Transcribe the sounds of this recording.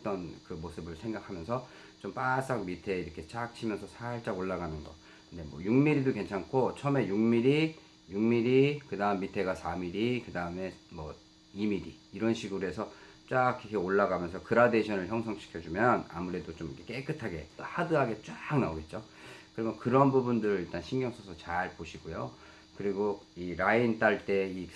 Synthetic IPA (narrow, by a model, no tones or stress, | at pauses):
t͈ʌnkɯmosʰɯbɯɭsʰe̞ŋɡakʰamjʌnsʰʌ | t͡ɕompas͈aŋmitʰe̞iɾʌkʰe̞t͡ɕak̚t͡ɕʰimjʌnsʰʌsʰaiɭt͡ɕ͈aɡoɭːaɡanɯnɡʌ | kɯnde̞mwʌ̰juŋmiɾidoke̞nt͡ɕʰankʰot͡ɕʰʌme̞juŋmiɾi | juŋmiɾikɯdaɯmːitʰe̞ɡasʰamiɾikɯdaɯme̞mʌ | imiɾiːɾʌnɕʰiɡɯɾoɦe̞sʰʌ | t͡ɕ͈akʰikʰeoɭːaɡamjʌnsʰʌkɯɾade̞ɕʰʌnɯɭçjʌŋsʰʌŋɕʰi̥kʰjʌd͡ʑumjʌna̰muɾe̞dot͡ɕomikʰek͈ek͈ɯtʰaɡe̞̰hadɯɦaɡe̞t͡ɕ͈aŋnaoɡe̞t̚t͡ɕ͈o | kɯɾʌmjʌnkɯɾʌnbubundɯɾɯɭiɭt͈anɕʰiŋɡjʌŋsʰʌsʰʌt͡ɕaɭpoɕʰiɡojo | kɯɾiɡoiɾaint͈aɭt͈e̞i